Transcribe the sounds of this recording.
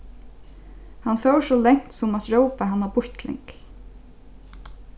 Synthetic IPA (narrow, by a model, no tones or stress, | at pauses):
hanfœwʂɔlɛŋ̥t̪sʊmat̪ɹœwpaɦanːabʊçt̪lɪ̰ŋk